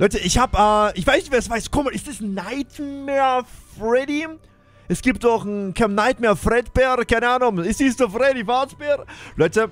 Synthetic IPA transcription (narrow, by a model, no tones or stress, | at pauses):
lɔʏtəʔɪçhaːbɛːʔɪçv̥aɪsnɪçtv̥eːɐsv̥aɪstkʰɔməɪstɛsnaɪtmɛːɐfʁɛdi | ʔɛsɡ̥iːp̚tɔχn̩kʰamnaɪtmɛɐfʁɛtb̥ɛʁkʰaɪnəaːnʊŋɪstd̥iːsofʁɛdifasb̥ɛʁlɔʏtə